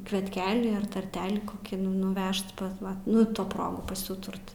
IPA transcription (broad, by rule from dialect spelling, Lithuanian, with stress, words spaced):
kʋʲiɛtʲˈkʲæːlʲiː ɐr tɐrʲˈtʲæːlʲiː koːˈkʲiː nʊ nʊˈʋʲɛʃt pɐs ˈʋɐ nʊ ˈtoː ˈproːɡʊ pɐsʲɪˈuːtʊrt